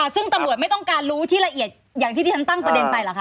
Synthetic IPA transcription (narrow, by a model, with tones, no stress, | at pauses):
ʔa˨˩sɯ˥˩ŋt̪a˧mɾu˨˩t̪̚m˥˩jt̪ɔ˥˩ŋkaː˧nɾuː˦˥t̪ʰiː˥˩la˧ʔi˨˩ət̪̚jaː˨˩ŋt̪ʰiː˥˩iː˥˩a˦nt̪a˥˩ŋpɾa˧de˧npa˧jlaː˨˩kʰa˦˥